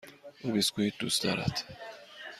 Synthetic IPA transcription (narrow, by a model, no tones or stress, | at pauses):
ʔubiskuhiːt̪̚d̪ṵːsd̪ɒ̰ːɾæ̰t̪